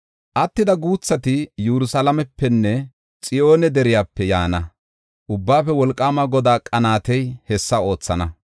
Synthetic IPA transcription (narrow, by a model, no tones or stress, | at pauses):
ʔɐt̪ːɪd̪ɐɡuːt͡sːɐt̪ɪjuɾʊsɐlɐmɛpːɛnːɛ | t͡sʼɪo̞ːnɛd̪ɛɾɪjaːpːɛja̰ːnɐ | ʔʊbːaːfɛwɔlkʼːaːmɐɡɔd̪aːkʼɐnaːt̪ɛjhɛsːɐo̞ːt͡sːɐnɐ